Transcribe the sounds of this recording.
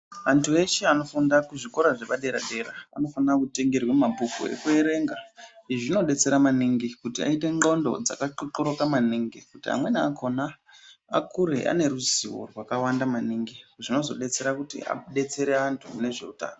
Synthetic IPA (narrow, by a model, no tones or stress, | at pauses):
antʰue̞ʃeano̞fundakuʐiko̞ɾaʐeɓaɗe̞ɾaɗe̞ɾaa̰no̞fanrakute̞ŋɡe̞rwemapukṵe̞̰kue̞ɾe̞ŋɡaiʐino̞ɗe̞t͡se̞ɾamaniŋɡikutia̰ite̞ŋo̞ndo̞̰d͡za̰kaǃǃoɾo̞kamaniːŋɡikutia̰mwe̞niakʰo̞na | a̰kʰuɾe̞̰ʔa̰ne̞ɾuziwo̞̰rwakawandamaniːŋɡiʐino̞zo̞̰ɗe̞t͡se̞ɾakutḭa̰ɗe̞t͡se̞ɾe̞antʰune̞ʐe̞̰uta̰ːno